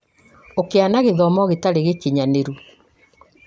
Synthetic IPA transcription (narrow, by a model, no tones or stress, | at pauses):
okeanaɣeðɔmɔɣetaɾeɣekiɲaneɾu